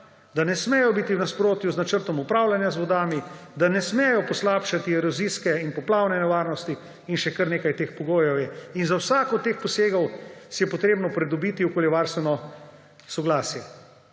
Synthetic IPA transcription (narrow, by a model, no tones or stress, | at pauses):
d̪anɛsmɛjɔbit̪iwnaspɾoːt̪juznat͡ʃəɾt̪ɔmupɾawlanjazʋɔd̪aːmid̪anɛsmɛjɔpɔslapʃat̪iɛɾɔziskɛinpɔplaːwnɛnɛʋaːɾnɔst̪i | inʃɛkəɾneːkajt̪eːxpɔɡoːjɔwjɛinzawsaːkɔt̪ːeːxpɔseːɡɔwsɛjɛpɔt̪ɾeːbnɔpɾɛd̪ɔbit̪iukoːljɛʋaɾst̪ʋɛnɔ | sɔɡlaːsjɛ